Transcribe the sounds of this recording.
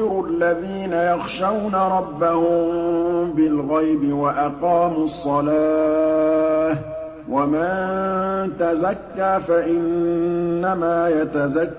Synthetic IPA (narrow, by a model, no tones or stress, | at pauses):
ɾʔalːaðiːnajɑxʃawnaɾˤɑbːahʊmbɪlɣajbɪwaʔɑqɑːmʊsˤːɑlaː | wamant̪azakːaːfaʔɪnː | amaːjat̪azakː